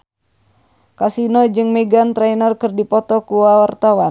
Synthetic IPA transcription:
kasinɔd͡ʒɨŋmɛɡant̪ɾɛinərkɨrdipɔt̪ɔkuwawart̪awa

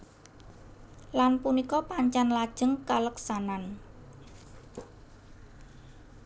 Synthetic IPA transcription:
lanpunikɔpaɲt͡ʃanlad̥ʒ̥ə̤ŋkaləksanan

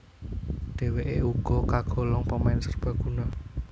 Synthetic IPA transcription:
d̪̥e̤weʔeuɡ̥ɔ̤kaɡ̥ɔ̤lɔŋpəmɛnsərb̥ä̤ɡ̥ṳnɔ

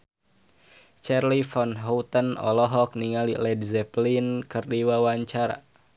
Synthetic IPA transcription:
t͡ʃɛrlifɔnɦɔwt̪ənɔ̰lɔɦɔk̚niŋalilɛdzɛplinkɨrdiwawaɲt͡ʃaɾa̰

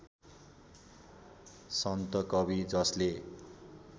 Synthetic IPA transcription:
sʌnt̪ʌkʌbid͡zʌsle

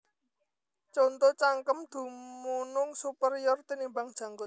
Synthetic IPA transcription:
t͡ʃɔnt̪ot͡ʃaŋkəmd̪̥ṳmunʊŋsupəɾiɔrt̪inimbaŋd̥ʒ̥ä̤ŋɡʊ

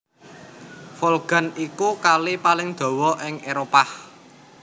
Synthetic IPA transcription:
folɡ̥a̤nikukalipalɪŋd̪̥ɔ̤wɔʔɪŋeɾopah

